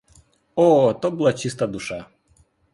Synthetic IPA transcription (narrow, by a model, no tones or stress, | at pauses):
ɔt̪ɔbɨlˠat͡ɕist̪ad̪uʂa